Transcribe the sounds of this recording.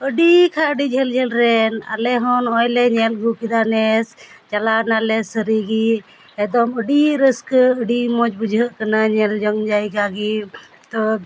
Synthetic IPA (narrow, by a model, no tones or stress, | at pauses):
əɖikʰaəɖid͡ʒʱɛld͡ʒʱɛlɾɛna̰lɛɦɔnɔjlɛɲɛlɡʱukid̪anɛst͡ʃalanalɛsəɾiɡi | ɛd̪ɔməɖiɾəskəɖimɔt͡ʃbud͡ʒʱəʔkənaɲɛld͡ʒɔŋɡd͡ʒaiɡaɡi | t̪ɔ